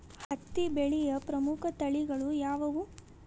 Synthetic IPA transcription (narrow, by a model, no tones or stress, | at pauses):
hɐt̪ːibeɭijɐpɾɐmukʰɐt̪ɐɭiɡɐɭujaːʋɐʋu